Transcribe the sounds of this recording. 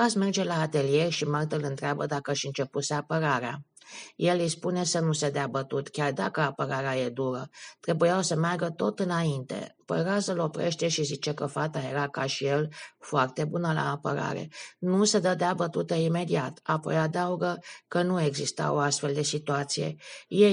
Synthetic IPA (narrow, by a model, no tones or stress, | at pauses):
asme̞rd͡ʒe̞laːt̪e̞lije̞rʲʃimart̪əlɨnt̪ɾeabə̰d̪akəaʃɨnt͡ʃe̞puseapəɾaɾea̰je̞lijspune̞sənused̪eabət̪ut̪kʲard̪akəapəɾaɾeaje̞d̪uɾət̪ɾe̞bujawsəmarɡət̪o̞t̪ɨnaint̪e̞̰pə̰jɾazəlo̞pɾeʃt̪e̞ʃizit͡ʃe̞kəfat̪aje̞ɾakaʃijelfoart̪e̞bunəla̰ːpə̰ɾa̰ɾḛnused̪əd̪eabət̪ut̪əime̞d̪iat̪apo̞̰jad̪əuɡəkənue̞ɡzist̪a̰wo̞ast̪fe̞ld̪e̞sit̪uat̪sijḛje